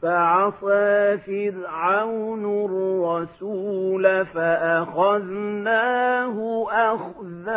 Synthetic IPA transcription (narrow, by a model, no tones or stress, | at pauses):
faʕɑsˤaːfɪlʕawnɾˤɑsuːlafaʔaxaðnaːɦʊʔax | ða